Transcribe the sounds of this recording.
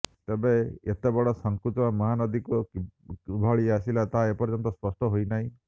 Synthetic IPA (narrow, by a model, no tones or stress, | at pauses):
t̪ebeet̪ebɔɽɔsɔŋkɾut̪bamɔɦanɔd̪iku | bʱɔɭiasilat̪aɦaepɔɾd͡ʒɔnt̪ɔspɔsʈɔɦojnaɦĩ